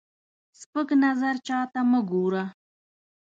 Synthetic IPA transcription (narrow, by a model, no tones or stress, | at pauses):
spəknazaɾt͡ʃɑːt̪aməɡoɾa